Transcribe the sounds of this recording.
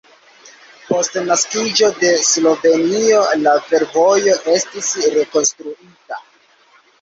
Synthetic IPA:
po̞stnaskid͡ʒo̞de̞slo̞ve̞nio̞lafe̞ɾvo̞jo̞ʔe̞stisɾe̞ko̞nstɾuita

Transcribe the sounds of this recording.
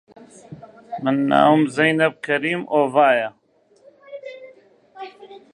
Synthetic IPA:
mɨnːa̰ːwumzɐjnɐb̚kʰɐɾiːmoːvaːjɐ

